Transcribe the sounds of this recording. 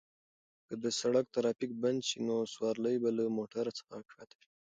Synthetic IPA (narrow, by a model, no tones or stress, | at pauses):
kəd̪əsaɽak̚t̪aɾɑpik̚band̪ʃinoswɑɾləjbaləmoʈaɾat͡sə̥xakʂɑt̪awi̥